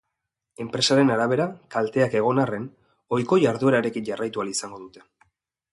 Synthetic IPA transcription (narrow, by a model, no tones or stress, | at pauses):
e̞mpɾe̞saɾe̞naɾaβ̞e̞ɾakalt̪e̞ake̞ɣ̞o̞nare̞n | o̞jko̞jaɾðue̞ɾaɾe̞kiɲɟarajt̪ualisaŋɡo̞ðut̪e̞̥